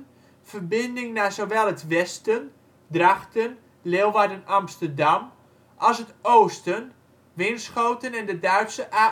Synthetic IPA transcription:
v̥ərbɪndɪŋnazoʋɛlˠətʋɛstən | draxtən | leːlˠʋadənɑmstərdɑm | ʔɑlˠsətoːstən | ʋɪnsχowtənɛndədœɥtsəʔa

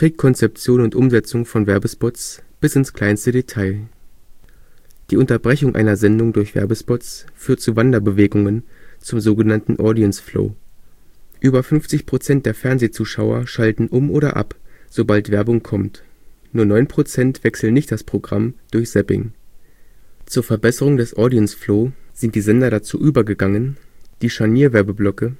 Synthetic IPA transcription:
tʁ̥eːkkʰɔnt͡sɛp̚t͡sjoːnʊntʔʊmzɛt͡sʊŋfɔnvɛɐbəspɔtt͡sb̥ɪsɪnskl̥aɪnstədetʰaɪl | d̥iːʊntɐbʁɛçʊŋʔa̰ɪnɐzɛndʊŋdʊɐçv̥ɛ̰ɐbəspɔtt͡sfyːɐtt͡suːvandɐbəveːɡʊŋənt͡sʊmzoːɡənantn̩ʔɔdiɛnsflo̰ː | ʔyːbɐfʏnft͡sɪçpʁ̥ot͡sɛnt̚d̥eːɐfɛɐnzeːt͡suːʃaʊɐ̰ʃaltn̩ʔʊmʔoːɾɐ̰ʔa̰pz̥obaltv̥ɛɐbʊŋkʰɔmt | nuːɐnɔʏnpʁ̥ot͡sɛntv̥ɛksl̩nɪçtd̥aspʁ̥oɡʁa̰md̥ʊɐçz̥ɛpɪ̰ŋ | t͡suːɐfɛɐbɛsəʁ̞ʊŋdɛsʔɔɐdiɛnsfloːz̥ɪntd̥iːzɛndɐɾat͡suːʔyːbɐɡəɡaŋənd̥iːʃaniːɐvɛɐbəblɔkə

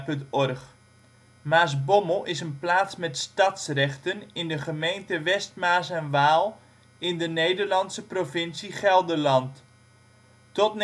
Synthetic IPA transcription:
pɵntɔrχ | maːsbɔməlˠɪsənplaːtsmɛtstɑtsrɛχtənɪndəχəmejntəʋɛst̚maːsɛnʋaːlˠ | ɪndənejdəɹlɑnsəprovɪnsiχɛlˠdəlɑnt | tɔtn

